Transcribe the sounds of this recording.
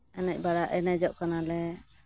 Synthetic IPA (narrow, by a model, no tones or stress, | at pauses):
ɛnɛc̚ˀbaɽaʔɛnad͡ʒɔʔkanalɛ